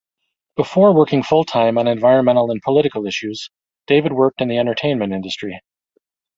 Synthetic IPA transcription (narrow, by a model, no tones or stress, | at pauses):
b̥əfɔɹwɜ˞kɪ̃ŋfʊlˠtʰãɪ̃mə̃nɨ̃ɱvaɪɹɨ̃nmɛ̃ñl̩ˠə̃npʰəlɪɾɨkl̩ˠɪʃʉz̥ | d̥eɪvɨd̚wɜ˞k̚tɨ̃nðiɛ̃ntə˞tʰẽɪ̃nmɨ̃ntɪ̃ndɨstɹ̥i